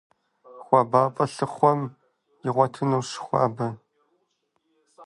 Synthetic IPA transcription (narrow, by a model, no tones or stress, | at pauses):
xʷɐbaːpʼɐɬɨχʷɔm | jɪʁʷɔtʰɨnɐwʂɪ̥xʷɑ̰ːbɐ